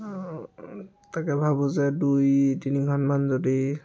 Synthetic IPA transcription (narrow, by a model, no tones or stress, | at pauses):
takɛbʱabuzɛdujtiniɡʱɔnmanzodi